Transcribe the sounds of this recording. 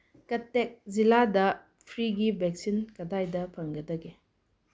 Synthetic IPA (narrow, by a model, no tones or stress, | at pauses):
kɐtːek̚ziladɐ | pʰɾiɡibek̚sinkɐdajdɐpʰɐŋɡɐdɐɡe